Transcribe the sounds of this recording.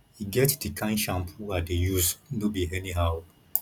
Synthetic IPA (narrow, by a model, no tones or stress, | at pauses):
hiɡɛtdikʰãɪ̃nʃãmpʰuadejusnobiɛniɦaʊ